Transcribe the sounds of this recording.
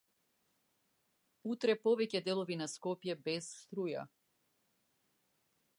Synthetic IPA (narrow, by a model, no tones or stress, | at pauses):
ut̪ɾɛpɔvɛcɛd̪ɛlˠɔvinaskɔpjɛbɛsst̪ɾuja̰